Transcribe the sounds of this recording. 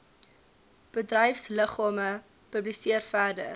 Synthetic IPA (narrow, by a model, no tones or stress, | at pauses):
b̥ədrɛjfsləχɑːmə | pəblisiərfærdə̰r